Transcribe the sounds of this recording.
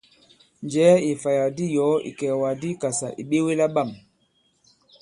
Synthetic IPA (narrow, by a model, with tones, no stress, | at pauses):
nd͡ʒɛː˨˦i˨fa˨ja˨di˦jɔ˨˦ḭ˨kɛ˨wa˨di˦ka˨sa˨ʔi˨ɓe˦we˦la˦ɓa˦˨m